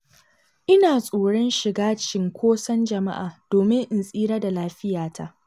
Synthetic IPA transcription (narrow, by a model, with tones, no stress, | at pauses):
ʔɪ˦naː˨sʼoː˨ɽɔ˦nʃɪ˨ɡaː˦t͡ʃɪ˨ŋkʷoː˦sɐ˦nd͡ʒɐ˨ma̰˦ʔaː˨doː˨mɪ˦ŋʔɪ˨nsʼiː˦ɽaː˦da˨laː˦ɸɪ˦jaː˨tʰa˦ʔ